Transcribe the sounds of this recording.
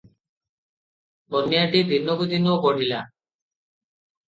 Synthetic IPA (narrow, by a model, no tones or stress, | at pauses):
bɔnːijaʈid̪ʱinːoɡut̪inobɔɽ̤ila